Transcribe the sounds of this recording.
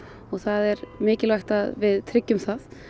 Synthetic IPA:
ɔɣθaðɛɾmɪːcɪlvajxt̪aðvɪðt̪ʰɾɪcːʏmsaθ

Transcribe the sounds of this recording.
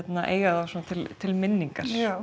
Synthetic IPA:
t̪naʔḛːjɣaðawsoːnat̪ʰɪlt̪ʰɪlmɪnːiŋkaɾ̥a

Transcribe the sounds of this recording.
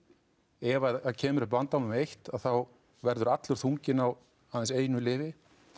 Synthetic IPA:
ɛvaacʰɛːmʏɾɛpant̪awnʏmejht̪aðθaw | vɛɾðʏɾat̪lʏɾ̥θuɲcɪnaw | aðɛnseːjnʏlɪːvɪ

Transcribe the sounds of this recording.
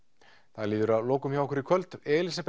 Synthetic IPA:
θaðɾliːðʏɾaðloːwkʏmçjawhkʏɾikʰvœlt̪ɛːlis̬ap

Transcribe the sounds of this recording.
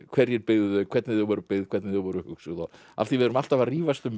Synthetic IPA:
kʰvɛɾjɛɾpɪɣðʏkʰvɛɾt̪nɪðɪvɔɾʏpɪɣðkʰvɛɾt̪nɪðɪvɔːɾʏhʏksʏɣðɔ | a̰ft̪θivɪðɾʏmal̥t̪avariːvast̪ʏm

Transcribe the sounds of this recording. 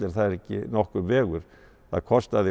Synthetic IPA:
ɪɾ̥θaðɛɾɛhcːɪ̰nɔhkʏmvɛːɣʏɾ̥ | θaðkʰɔst̪aðɪ

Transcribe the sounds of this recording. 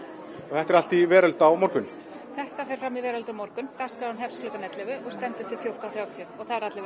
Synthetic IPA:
ɔɣθɛht̪ɛɾal̥t̪ivɛːɾœlt̪awmɔɾkʏn | θɛht̪afɛjɾ̥fɾamivɛːɾœlt̪ɾamɔɾkʏnk̪ar̥skaanɦɛfsklʏːt̪anɛt̪lɪvɪʔɔɣst̪ɛnt̪ʏht̪ʰɪlfjow̥t̪aθɾjaːwt̪ʰiʏɔɣθaðɪɾat̪lɪv

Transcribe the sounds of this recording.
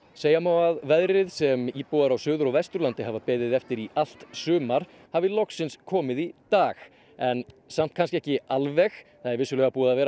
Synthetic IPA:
seːjamaːwaðvɛðɾɪðsɛmiːpɔːaɾawsʏːðʏɾawvɛst̪ɾʏɾlant̪ɪɦavapɛːðɪðɛft̪ɪɾiʔal̥t̪sʏːmaɾ̥ | havɪlɔksɪnskʰɔːmɪðit̪aːx | ɛn | sam̥t̪kʰanscɪɛhcɪalvɛxθaðɛɾvɪsːʏlɛːɣapuːaðavɛːɾ

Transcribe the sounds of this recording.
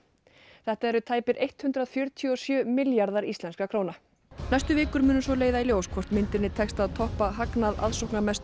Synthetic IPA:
θɛht̪aɛɾʏt̪ʰaːjpɪɾʔejht̪hʏnt̪ɾaðfjœɾt̪ʰiɔsjœːmɪljaɾðaɾist̪lɛnskakʰɾoːwna | najst̪ʏvɪːkʏɾmʏːnʏsvɔleːjðailjoːwskʰvɔr̥t̪mɪnt̪ɪnɪt̪ʰɛkst̪aðt̪ʰɔhpaɦaknaða̰ðsowhknamɛst̪

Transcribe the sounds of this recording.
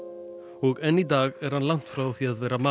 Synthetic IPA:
ɔɣɛnit̪aːɣɛɾ̥hanlan̥t̪fɾaːwθiaðvɛːɾama

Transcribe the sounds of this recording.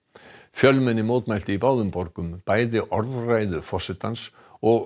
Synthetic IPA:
fjœlmɛnːɪmoːt̪majl̥t̪ɪipaːwðʏmpɔɾkʏmpaːjðɪʔɔɾðrajðʏfɔsɪt̪ans | ɔɣ

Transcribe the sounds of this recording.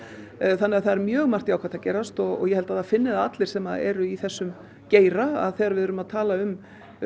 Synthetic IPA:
θanːɛːɣaθaðɛɾmjœːɣmar̥t̪iaːwkʰaɾt̪acɛːɾast̪ɔɣɔ̰ɣjɛhɛlt̪aðafɪnːɪðaat̪lɪɾ̥sɛmaðɛ̰ɾʏiθɛsːʏm | ceːjɾaa̰ðθɛɾavɪðʏɾʏmaðt̪ʰaːlaʏm

